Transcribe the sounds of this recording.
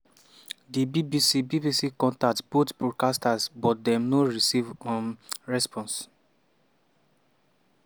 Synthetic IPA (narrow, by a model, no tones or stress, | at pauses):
dibibisibibisikɔ̃ntatb̥otbɹɔkastasbɔt̚dɛ̃mnoɹisivɔ̃mɹɛspʰɔ̃ns